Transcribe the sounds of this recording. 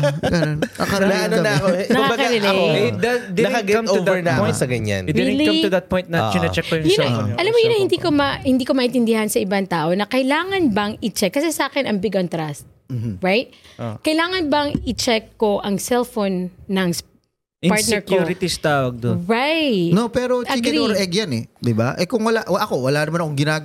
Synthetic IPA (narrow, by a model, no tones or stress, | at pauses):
ɡɐnɐɐnnonɐkonɐkkmabɐɡkɐaɾɐlɛd̪ɐt̪d̪ɪnɐɐɡɛɐ̃mʊd̪ɛɹnɔ̃j̃sɐɡɐɲa̰nd̪ɛiɪlkɐmt̪uðɐt̪̚pɔ̃jnt̪nɐt͡ʃʊnɐt͡ʃɛkːɐjʊŋjʊnɐʔɐlamojʊnɐhɪnd̪iːkomɐhɪnd̪iːkomɐʔɪ̃nt̪ɪnd̪ɪhɐnsɐʔɪbaŋt̪aːʔonɐkɐjlaːŋɐnbɐŋɪt͡ʃɛkːɐsɛsʔaːkɛnʔɐŋbɪɡɐnt̪ɾast̪̚ | m̩ːm̩ɹajt̪̚kɐjlaːŋɐnbɐŋɪt͡ʃɛkːo̞ʔɐŋsɛlfonːɐŋs | ʔɪpat̪nɛɹkjuɾɪt̪ist̪aːwɐɡ̚d̪oɹajnopɛːɾo̞t͡ʃiɡɪoɾʔɛɡjanɛd̪ɪbaʔɛkʊŋwɐlaʔwɐʔɐko̞wɐlaʔnɐmanɐkoŋɡɪnaː